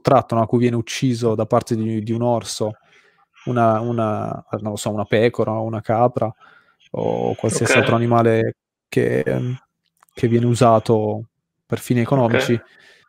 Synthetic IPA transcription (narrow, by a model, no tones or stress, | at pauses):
t̪ːɾat̪ːonɔakːujvjɛːneut͡ʃːiːzod̪apart̪ed̪id̪iunɔrso | unauna̰nõnlːosɔːunapɛːkoɾʔaunakaːpɾʔa | o̰kwalsiasialt̪ɾoanimaːle | kḛ | k̟ʰevːjɛːneuzaːt̪o | perfiːniekonɔːmit͡ʃi